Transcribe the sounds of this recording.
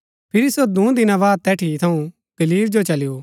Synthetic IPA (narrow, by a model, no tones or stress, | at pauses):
pʰɪɾisod̪ũːd̪ɪnãβaːd̪̚t̪ɛːʈʰit̪ʰɐũ | ɡ̪̥ɐliːbd͡ʒot͡ʃɐlɪjo